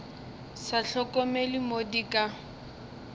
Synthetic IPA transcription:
saɬɔkʼɔmelimodikʼa

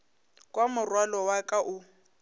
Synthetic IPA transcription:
kʼwamʊrwalɔwakʼaʔʊ

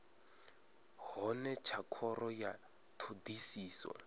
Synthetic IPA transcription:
ɦɔnɛt͡ʃʰakʰɔɾɔja | tʰodisiːswɔ̰

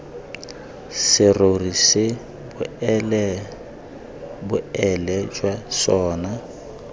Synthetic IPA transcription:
sɪrorisɪ | bʊɛ | bʊɛlɛd͡ʒwasɔːna

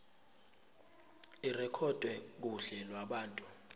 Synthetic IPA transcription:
irɛkʰɔd̥ʼʱwɛk̬uɬɛlwaɓaːntʼu

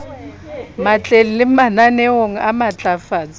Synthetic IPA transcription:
mat͡ɬʼelilɪmananɛwoŋ̩amat͡ɬʼafaːt͡sʼ

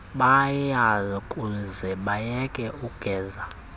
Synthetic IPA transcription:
ɓajazɔkʼuzɛɓajɛkʼɛuɡ̥ʱɛːza

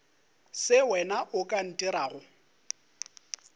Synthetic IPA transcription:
sɪwɛnaʔʊkʼan̩tʼiɾaːɣʊ

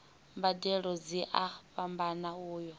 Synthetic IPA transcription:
mbadɛɺɔd͡ziʔaɸambanauːjɔ

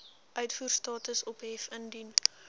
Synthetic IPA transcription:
ʔœɥtfuːrstɑːtəsɔpɦɛfəndin

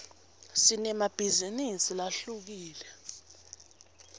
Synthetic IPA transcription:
sinɛmab̥ʱizinisilaɬuk̬iːlɛ

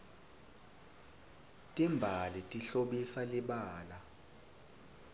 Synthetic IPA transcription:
tʼimbʱalitʼiɬoɓisaliɓaːla

